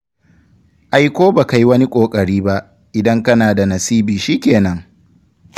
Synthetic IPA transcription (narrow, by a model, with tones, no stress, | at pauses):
ʔa˨jkʷoː˦ba˨ka˦ji˦wɐ˦ni˦kʷʼoː˨kʼɐ˨ɽiː˦ba˦ʔ | ʔɪ˨dɐ˦ŋkɐ˦naː˨da˨nɐ˨siː˦biː˨ʃiː˦kʲeː˨nɐ˦ŋ